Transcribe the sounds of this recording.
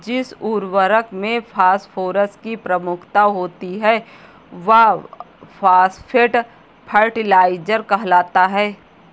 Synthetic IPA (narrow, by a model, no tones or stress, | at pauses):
d͡ʒɪsuːɾʋəɾəkmẽpʰaːspʰoːɾəskipɾɐmʊkʰt̪aɦoːt̪iɦɛː | ʋɐ | pʰaːspʰɪʈ | pʰəɾʈɪlaːɪd͡ʒəɾkɐɦlaːt̪aɦɛː